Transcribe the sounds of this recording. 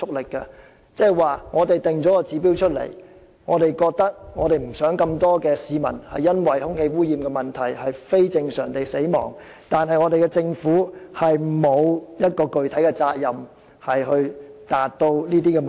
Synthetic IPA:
ʊ˥k̚lɪ˨kːɐ˧ | t͡sɛː˥˩waː˨ŋɔː˨˧t̪e˨jt̪ɪ˨ŋt͡sɔː˨˥kɔ˧t͡siː˨˥pi˨˥wt͡ʃʰɵ˥t̚lḛ˨˩j | ŋɔː˨˧t̪e˨jkɔː˧k̚t̪ɐ˥k̚ŋɔː˨˧ɾe˨jm̩˨˩sœː˨˥ŋkɐ˧mt̪ɔː˥kɛː˧siː˨˧mɐ̰˨˩nhɐ˨jːɐ˥nwɐ˨jhʊ˥ŋhe˧jwuː˥jiː˨mkɛ˧mɐ˨˩nt̪ʰɐ˨˩jhɐ˨jfe˥jt͡sɪ˧ŋsœ̰ː˨˩ŋt̪e˨jse˨˥jmɔ̰ː˨˩ŋ | t̪aː˨nɦɐ˨jŋɔː˨˧t̪e˨jkɛ˧t͡sɪ˧ŋfuː˨˥hɐ˨jmo˨˧wjɐ˥t̚kɔː˧kɵ˨˧ɥt̪ʰɐ˨˥jkɛː˧t͡saː˧k̚jɐ˨˩m | hɐ˨jɦɵ˧ɥt̪aː˨t̚t̪o˧wniː˥t̪iː˥kɛ˧m˨

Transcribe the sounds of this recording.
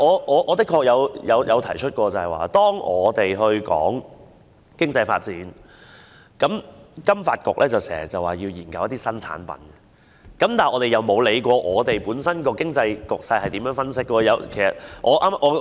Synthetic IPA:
ɔː˨˧ʔɔː˨˧ʔɔː˨˧t̪ɪ˥kʰːɔː˧k̚jɐ˨˧wjɐ˨˧wjɐ˨˧wt̪ʰɐ˨˩jt͡ʃʰɵ˥t̚kʷɔː˧t͡sɐ˨hɐ˨jwa̰ː˨t̪ɔː˥ŋɔː˨˧t̪e˨jɦɵ˧ɥkɔ̰ː˨˥ŋ | kɪ˥ŋt͡sɐ˧jfa̰ː˧t̚t͡siː˨˥n | kɐ˨˥mkɐ˥mfaː˧t̚kʊ˨k̚lʔɛː˥t͡sɐ˨wsɛ̰ː˨˩ɐ˨˩t͡sɐ˨waː˨˩jiː˧wjiː˨˩nkɐ˨˧wjɐ˥t̪iː˥sɐ˥nt͡sʰa̰ː˨˥npɐ̰˨˥nɛ˨ | kɐ˨˥mt̪aː˨nʔɔː˨˧t̪e˨jɐ˨wmo˨˧wle˨˧jkʷɔː˧ʔɔː˨˧t̪e˨jpuː˨˥nsɐ˥nkɔː˧kɪ˥ŋt͡sɐ˧jkʊ˨k̚sɐ˧jhɐ˨jt̪iː˨˥mjœː˨˥ŋfɐ˥nsɪ˥kːɔː˧jɐ˨˧wkʰe˨˩jsɐ̰˨t̚ʔɔː˨˧ʔaː˥m˥ʔɔː˨˧

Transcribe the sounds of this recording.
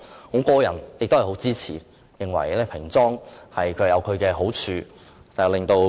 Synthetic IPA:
ŋɔː˨˥kɔː˧jɐ̰˨˩njɪ˨k̚t̪hɐ˨˩ho˨˥wt͡siː˥t͡sʰḭː˨˩ | jɪ˨ŋwɐ̰˨˩jlɛː˥pʰɪ˨˩ŋt͡sɔː˥ŋhɐ˨jkʰɵ˨˧˨jɐ˨˧wkʰɵ˨˧ɥkɛː˧ɦo˨˥wt͡ʃʰyː˧ | t̪a˨ɛ˨˧wlɪ˨˩ŋt̪o˧w

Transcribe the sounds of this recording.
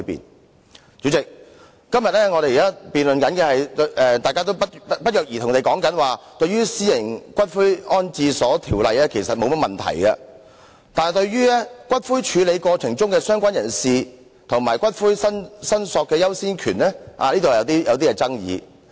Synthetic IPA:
pḭː˨n | t͡syː˨˥t͡sɪ˨k̚ | kɐ˥mjɐ˨t̚lɛː˥ŋɔ˨˧ɾe˨ji˨˩kaː˥piː˨nlɵ˨nkɐ˨˧˥nkɛ˧hɐ˨jt̪ʔɛː˨˧t̪aː˨jkaː˥t̪o˥wpɐ˥t̚pɐ˥t̚jœː˨k̚ji˨t̪ʰʊ˨˩ŋt̪e˨jkɔː˨˥ŋkɐ˨˥nwaː˨t̪ɵ˧ɥyː˥siː˥jɪ˨˩ŋkʷɐ˥t̚fuː˥jɔː˥nt͡siː˧sɔː˨˥t̪ʰiː˨˩wlɐ˨jɛː˥kʰe˨˩jsɐ˨t̚mo˨˧wmɐ˥t̚mɐ˨˩nt̪ʰɐ̰˨˩jɡɐ˧ | t̪aː˨n˨jt̪ɵ˧ɥɥyː˥ɛː˥kʷɐ˥t̚fuː˥jt͡ʃʰyː˨˧le˨˧jkʷɔː˧t͡sʰɪ˨˩ŋt͡sʊ˥ŋkɛː˧sœː˥ŋkʷaː˥njɐ˨˩nsiː˨˧ | t̪ʰʊ˨˩ŋmaː˨˩jkʷɐ˥t̚fuː˥jsɐ˥nsɐ˥nsɔː˨˧kːɛː˧jɐ˥wsiː˥nkʰyː˨˩nlɛ˥ʔa̰ː˨˧liː˥t̪o˨˧˨jɐ˨˧wt̪iː˥jɐ˨˧wt̪̬iː˥ɛː˧t͡sɐ˥ŋjḭː˨˧

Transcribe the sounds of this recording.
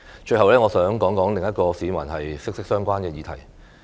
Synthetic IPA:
t͡ʃɵ˧ɥhɐ˨wlɛː˥ŋɔː˨˧sœː˨˥ŋkɔː˨˥ŋkɔː˨˥ŋlɪ˨ŋjɐ˥t̚kɔː˧siː˨˧mɐ̰˨˩nɦɐ˨jsɪ˥k̚sɪ˥k̚sœː˥ŋkʷwaː˥nkɛː˧jiː˨˧t̪ʰɐ˨˩j

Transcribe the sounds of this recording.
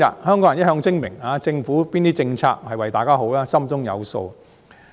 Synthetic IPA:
ɐ̰˨t̚hœː˥ŋkɔː˨˥jɐ˨˩jɐ˥t̚hœː˧ŋsɪ˥ŋmɪ˨˩ŋaː˨˧t͡sɪ˧ŋfuː˨˥piː˥nt̪iː˥t͡sɪ˧ŋt͡sʰa̰ː˧k̚hɐ˨jwɐ˨jt̪aː˨˩kaː˥ɦo˨˥wlaː˥sɐ˥mt͡sʊ˥ŋjɐ̰˨˧wso̰˧w

